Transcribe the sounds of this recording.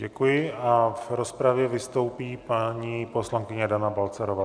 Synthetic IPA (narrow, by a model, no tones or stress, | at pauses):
ɟɛkujɪʔavɾo̞spɾavjɛvɪst̪o̞wpiːpaɲiposlaŋkɪɲɛdanabalt͡sɛɾovaː